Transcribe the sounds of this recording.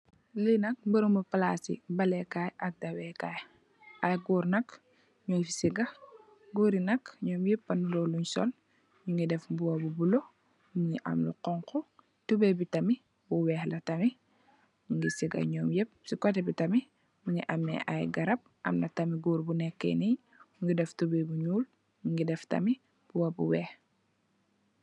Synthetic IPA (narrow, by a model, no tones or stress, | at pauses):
linɐk̚mbɐɾumɐpalasḭbɐlɛkajʔadɐwɛkaj | ajɡuːɾnɐk | ɲɔːjfi̥siɡɐ | ɡuːɾinɐkɲɔːmjepːɐnulɔluɲsɔ̰l | ɲuŋɡidɛfbuwɐbubulo | muŋiʔa̰mlṵqɔŋkɔ | tubɛbitɐmi | buwɛːxlɐtɐmi | ɲuŋɡisiɡɐ̰ɲɔːmjɛp̚sikɔtɛbitɐmi | muŋiʔɐmːɛ̰ʔajɡɐɾɐp̚ʔɐ̰mnɐtɐmiɡuːɾbunɛkːɛ̰nij | ɲuŋɡidɛftubɛbuɲuːl | ɲuŋɡidɛftɐ̰mi | b̥uwɐbṵwɛːh